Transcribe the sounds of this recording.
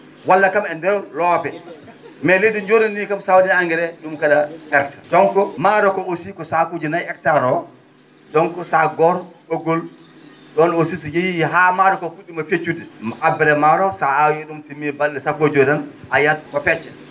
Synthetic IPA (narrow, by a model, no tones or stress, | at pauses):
walːakamɛndɛwlɔpɛ | mɛlediɲd͡ʒodɛnːikamsawdinaŋɡɛɾɛɗumkaɗaɛk̚tʰḁdɔŋkɔmaɾɔkɔosikɔsakod͡ʒinajɛk̚taɾɔ | ɗɔŋkɔsaɡɔɾɗoɡɔl | ɗɔnosisɔjejijɦamaɾɔkɔfuɗimafet͡ʃudimabɛɾɛmaɾɔsaajiɗumtimːibalːɛsakod͡ʒodɔn | ajatkɔpɛt͡ʃːɛ